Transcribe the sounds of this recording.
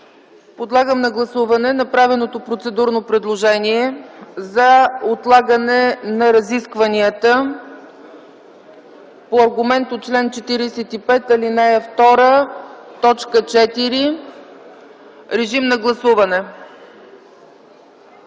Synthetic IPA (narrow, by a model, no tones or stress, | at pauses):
pod̪lˠaɡəmnɐɡlˠɐsuvɐnɛnɐpɾavɛnot̪opɾot̪sɛd̪uɾnopɾɛd̪lˠoʒɛniɛzɐot̪lˠaɡənɛnɐɾɐziskvɐniət̪ə | poɐɾɡʊmɛnt̪ot̪̚t͡ʃlɛnt͡ʃɛt̪iɾisɛt̪ipɛt̪ɐlinajəft̪ɔɾət̪ɔt͡ʃkət͡ʃɛt̪iɾi | ɾɛʒimnɐɡlˠɐsuvɐnɛ